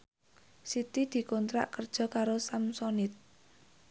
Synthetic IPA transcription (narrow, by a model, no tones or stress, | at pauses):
sit̪id̪̥i̤kɔnt̪ɾa̰ʔkər̥ʒ̥ɔ̤kaɾosamsɔnɪt̪̚